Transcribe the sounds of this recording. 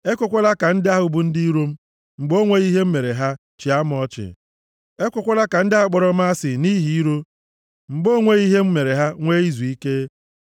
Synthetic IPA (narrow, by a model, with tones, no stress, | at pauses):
e˦kʷʊ˦kʷo˦la˦ka˨n̩˦dɪ˦a˦ɦʊ˨bu˨n̩˦di˦i˦ɾo˦m̩˦ | ŋ͡m̩˨ɡ͡bo˦ŋʷe˦ɣi˦ɦe˦m̩˦me˨ɾe˨ɦa˦ | t͡ʃɪ˨a˦m˦ɔ˦t͡ʃɪ̰˨ | e˦kʷʊ˦kʷɔ˦la˦ka˨n̩˦dɪ˦a˦k͡pɔ˨ɾɔ˦m̩˦a˦sɪ˨ni˦ɦi˨i˦ɾo˦ | ŋ͡m̩˨ɡ͡bo˦ŋʷe˦ɣi˦ɦe˦m̩˦me˨ɾe˨ɦa˦ŋʷe˦i˦zu˨i˦ke˦